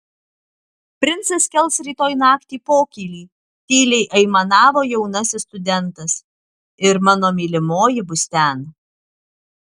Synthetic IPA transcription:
pʲɾʲɪnt̪sɐskʲɛlˠsɾʲiːt̪oːjnɑːkt̪ʲiːpoːkʲiːlʲiː | t̪ʲiːlʲɛɪʔɛɪmɐnɑːʋoːjɛʊnɐsʲɪst̪ʊd̪ʲɛnˑt̪ɐs | ɪɾmɑːnoːmʲiːlʲɪmoːjɪbʊst̪ʲɛn

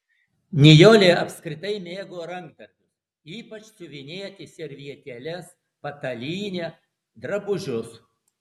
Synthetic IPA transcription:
nʲɪjoːlʲeːʔɐpʲskɾʲɪt̪ɐɪmʲeːɡoːɾɐŋk̚t̪ɐɾʲt̪ʲʊs | iːpɐt͡ʃsʊʋʲɪnʲeːt̪ʲɪsʲɛɾʲʋʲiɛt̪ʲɛlʲɛs | pɐt̪ɐlʲiːnʲeː | d̪ɾɐbʊʒʲʊs

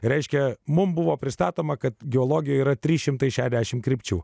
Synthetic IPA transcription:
ɾʲɛɪʃʲkʲɛmʊmbʊʋoːpʲɾʲɪst̪ɑːt̪oːmɐkɐt̪ɡʲɪoːlˠoːɡʲɪjoːiːɾɐt̪ʲɾʲiːʃʲɪmt̪ɐɪʃʲæːʃʲɛd̪ʲæʃʲɪmkɾʲɪpʲt͡ʃʲuː

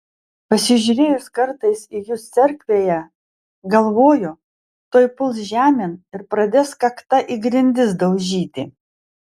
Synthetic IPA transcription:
pɐsʲɪʒʲʊɾʲeːjʊskɐɾt̪ɐɪsɪjʊːst̪sʲɛɾʲkʲʋʲeːjɛ | ɡɐlˠʋoːjʊ | t̪oːjpʊlˠsʒʲæːmʲɪnɪɾpɾɐd̪ʲeːskɐkt̪ɐʔiɡɾʲɪnʲd̪ʲɪsd̪ɐʊʒʲiːt̪ʲɪ

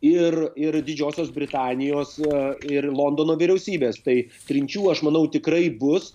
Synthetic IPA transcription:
ɪrɪɾd̪ʲɪd͡ʒʲoːsʲoːsbʲɾʲɪt̪ɑːnʲɪjoːsɪɾlˠoːnd̪oːnoːʋʲiɾʲɛʊsʲiːbʲeːst̪ɐɪ | t̪ʲɾʲɪnʲt͡ʃʲuːɐʃmɐnɐʊt̪ʲɪkɾɐɪbʊs

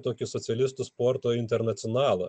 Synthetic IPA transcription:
t̪oːkʲɪsɔt̪sʲɛlʲɪst̪ʊspoːɾt̪oːɪnʲt̪ʲɛɾnɐt̪sʲɪɔːnɑːlˠɐ

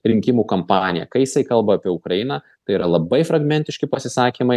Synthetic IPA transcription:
ɾʲɪŋʲkʲɪmuːkɐmpɑːnʲɪjɛ̰kɐɪjɪsɐɪkɐlˠbɐɐpʲiɛʊkɾɐjɪnɐ | t̪ɐɪiɾɐlˠɐbɐɪfɾɐɡmʲɛnʲt̪ʲɪʃʲkʲɪpɐsʲɪsɑːkʲimɐɪ

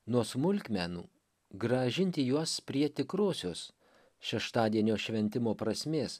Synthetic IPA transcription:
nuɔsmʊlʲkʲmʲæːnṵː | ɡɾɐʒʲɪnʲt̪ʲɪjuɔspʲɾʲiɛt̪ʲɪkɾoːsʲoːs | ʃʲɛʃt̪ɑːd̪ʲiɛnʲoːʃʲʋʲɛnʲt̪ʲɪmoːpɾɐsʲmʲeːs

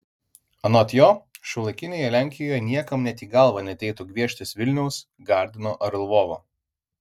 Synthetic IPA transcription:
ɐnoːt̪ʲjoːʃʲɐʊlˠɐkʲɪnʲeːjɛlʲæˑŋʲkʲɪjoːjɛnʲiɛkɐmnʲɛt̪ʲiːɡɐˑlˠʋɐnʲɛt̪ʲɛɪt̪ʊɡʲʋʲiɛʃʲt̪ʲɪsʋʲɪlʲnʲɛʊs | ɡɑˑɾʲd̪ʲɪnoːʔɐɾlˠʋoːʋoː

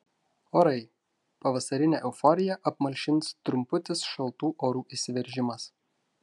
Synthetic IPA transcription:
oːɾɐɪ | pɐʋɐsɐɾʲɪnʲeːʔɛʊfɔɾʲɪjɛʔɐpmɐlʲʃʲɪnt̪st̪ɾʊmpʊt̪ʲɪsʃɐlˠt̪uːʔoːɾuːʔisʲɪʋʲɛɾʲʒʲɪmɐs

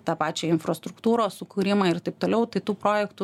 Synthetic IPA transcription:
t̪ɑːpɑːt͡ʃʲɛːɪnfɾost̪ɾʊkt̪uːɾoːssʊkuːɾʲɪmɐɪrt̪ɐɪp̚t̪oːlʲɛʊt̪ɐɪt̪uːpɾoːjɛkt̪ʊ

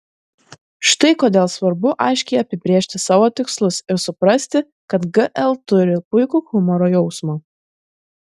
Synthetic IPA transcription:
ʃt̪ɐɪkoːd̪ʲeːlˠsʋɐɾbʊʔɑɪʃʲkʲɛɪɐpʲɪbʲɾʲeːʃʲt̪ʲɪsɑːʋoːt̪ʲɪkslˠʊsɪɾsʊpɾɐsʲt̪ʲɪ | kɐt̪ɡɨʔɛlˠt̪ʊɾʲɪpʊɪkuːkʊmɔɾoːjɔʊsmoː

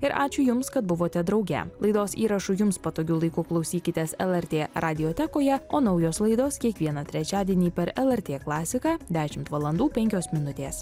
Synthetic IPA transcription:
ɪɾʔɑːt͡ʃʲʊjʊmskɐt̪̚bʊʋoːt̪ʲɛd̪ɾɐʊɡʲɛ̰lˠɐɪd̪oːsḭːɾɐʃʊjʊmspɐt̪oːɡʲuːlˠɐɪkʊklˠɒʊsʲiːkʲɪt̪ʲɛsɛlˠɛɾʲt̪ʲeːɾʔɑːd̪ʲɪjoːt̪ʲɛkoːjɛoːnɒʊjoːslˠɐɪd̪oːskʲiɛkʋʲiɛnɑt̪ʲɾʲɛt͡ʃʲæːd̪ʲiɛnʲiːpʲɛɾɛlˠɛɾʲt̪ʲeːklˠɑːsʲɪkɑːd̪ʲæːʃʲɪmt̪ʋɐlˠɐnd̪uːpʲɛŋʲkʲoːsmʲɪnʊt̪ʲeːs

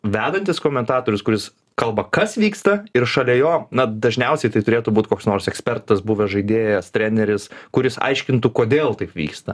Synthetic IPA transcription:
ʋʲæːd̪ɐnʲt̪ʲɪskoːmʲɛnt̪ɑːt̪oːɾʲʊskʊɾʲɪs | kɐlˠbɐkɐsʋʲiːkst̪ɐɪrʃɐlʲɛjoːnɐd̪ɐʒʲnʲɛʊsʲɛɪt̪ɐɪt̪ʊɾʲeːt̪ʊbuːt̪ʲkoːksnoːrsɛksʲpʲɛrt̪ɐsbuːʋʲɛʒɐɪd̪ʲeːjɛst̪ʲɾʲæːnʲɛɾʲɪskʊɾʲɪsɐ̰ɪʃʲkʲɪnt̪ukoːd̪ʲeːlˠt̪ɐɪpʋʲḭːkst̪ɐ

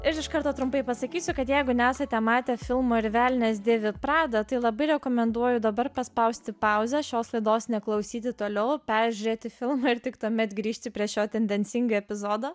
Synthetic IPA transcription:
ɪɾɪʃkɐɾt̪oːt̪ɾʊmpɐɪpɐsɐkʲiːsʲʊkɐt̪jɛɪɡʊnʲɛæːsɐt̪ʲɛmɑːt̪ʲɛfʲɪlˠmoːɪɾʋʲæːlʲnʲɛːsd̪ʲeːʋʲɪpɾɑːd̪ɐt̪ɐɪlˠɐbɐɪɾʲɛkoːmʲɛnd̪uɔjʊd̪ɐbɐɾpɐspɐʊsʲt̪ʲɪpɐʊzʲɛʃʲoːslˠɐɪd̪oːsnʲɛklˠɐʊsʲiːt̪̬ʲɪt̪oːlʲɛʊpʲɛɾʲʒʲʊɾʲeːt̪ʲɪfʲɪlˠmɐɪɾt̪ʲɪkt̪uɔmʲɛt̪ɡɾʲiːʃʲt̪ʲɪpʲɾʲiɛʃʲoːt̪ʲɛnʲd̪ʲɛnʲsʲɪŋɡɐɛpʲɪzoːd̪oː

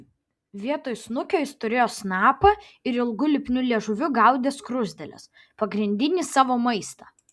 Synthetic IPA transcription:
ʋʲiɛt̪oːjʊsnʊkʲoːɪst̪ʊɾʲeːjoːsnɑːpɐɪɾɪlˠɡʊlʲɪpʲnʲʊlʲiɛʒʊʋʲʊɡɐˑʊd̪ʲeːskɾʊzʲd̪ʲɛlʲɛ̰s | pɐɡɾʲɪnʲd̪ʲɪnʲiːsɑːʋoːmɐɪst̪ɑː

